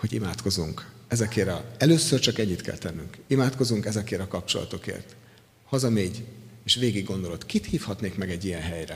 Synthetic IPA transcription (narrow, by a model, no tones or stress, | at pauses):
ho̞ɟḭmaːt̪ko̞zuŋkɛzɛkeːɾɒɛløːsørt͡ʃɒkɛɲːit̪kɛ̰lt̪ɛnːyŋkimaːt̪ko̞zuŋkɛzɛkeːɾɒkɒp̚t͡ʃo̞̰lɒ̰t̪o̞kḛːrt̪ | hɒzɒmeːɟeːʃʋeːɡiɡːo̞nd̪o̞lo̞t̪kit̪hiːfhɒt̪neːkmɛɡɛɟːijɛnɦɛjrɛ̰